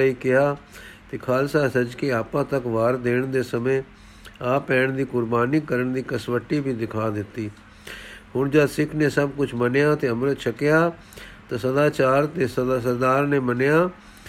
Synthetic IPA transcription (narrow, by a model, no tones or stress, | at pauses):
iːkɪɦaːt̪eːkʰaːlsaːsəd͡ʒkeːaːpãːt̪əkʋaːɾd̪eːɳd̪eːsəmẽː | aːpɛːɳd̪iːkʊɾbaːniːkəɾəɳd̪iːkəsʋəʈːiːbʱiːd̪ɪkʰaːd̪ɪt̪ːiː | ɦʊɳd͡ʒəd̪sɪkʰnẽːsəbkʊt͡ʃʰmənjãːt̪eːəmɾət̪t͡ʃʰəkɪjaː | t̪ãːsəd̪aːt͡ʃaːɾt̪eːsəd̪aːsəɾd̪aːɾnẽːmənjaː